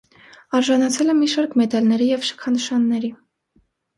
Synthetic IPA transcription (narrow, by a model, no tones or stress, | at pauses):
ɑɾʒɑnɑt͡sʰɛlɛmiʃɑɾkmɛt̪ɑlnɛɾijɛvʃə̥kʰɑnəʃɑnːɛɾi